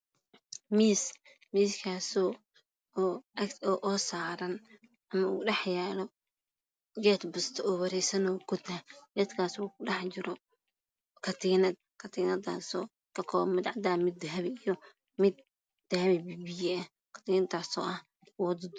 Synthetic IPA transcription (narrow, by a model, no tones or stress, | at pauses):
miːs | miːskʰaːsɔ | ɔːɐkɔʔɔːsaːɾɐn | ʔɐmɐṵːɖɛħjɛːlɔ | ɡɛːt̪bʊst̪ʰɔːwɐɾɛjsɐnɔːɡʊd̪ɦɐjɛːt̪kʰaːsuːkʊɖɑħt͡ʃɪɾɔ | kʰɐt̪ʰiːnɐd̪̚kʰɐt̪ʰiːnɐd̪a̰sɔː | kʰɐkʰɔːmɪd̪ʕɑd̪aːmɪd̪ɐɦɐβɛijɔ | mɪd̪̚ | d̪̥ɐhɐβɛbibijɛɐ | kʰɐ̥t̪ʰiːnɐd̪aːsɔ̰ːʔɐh | wɔd̪ʊd̪